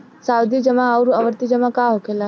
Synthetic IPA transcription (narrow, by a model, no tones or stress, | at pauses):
saːwd̪id͡ʒəmãaɾaʋəɾt̪id͡ʒɐmãkaɦokʰela